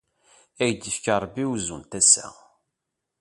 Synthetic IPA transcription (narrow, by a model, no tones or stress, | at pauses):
æjd̪əfkɑɾˤbːiwzṵnt̪æsːæ̰